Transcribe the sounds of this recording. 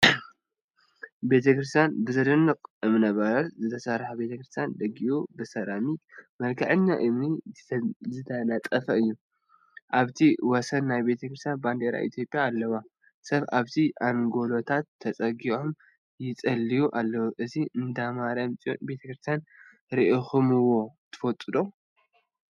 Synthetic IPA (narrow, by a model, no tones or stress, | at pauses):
be̞t̪ʰɐkɾɨs̬t̪ʰjanbɨzɐd̪ɨnːɨqʼɨmnɐβɐɾɐtzɨt̪ʰɐsɐrħabe̞t̪ʰɐkɾɨst̪ʰjand̪ɐɡiʔubɨsɐɾamimɐlkʰɐʕɨɲːaʔɨmni | zɨt̪ʰɐnat͡sʼɐfɐɨjːu | ʔaβt̪ʰiwɔsɐnːajbe̞t̪ʰɐkɾɨst̪ʰjanband̪eɾa̰ʔḭt̪ʰjo̞pʼːjaːlːɐwa | sɐβaβt̪ʰiʔaŋɡo̞lo̞t̪ʰat̪ʰːɐt͡sʼɐɡiom | jɪt͡sʼɐlːijuʔalːɐwuʔɨziʔɨnd̪amaɾɐmt͡sʼio̰nbe̞t̪ʰɐkɾɨst̪ʰjan | ɾiʔixumɨwːo̞t̪ʰɨ̥fɐt̪ʼɨd̪o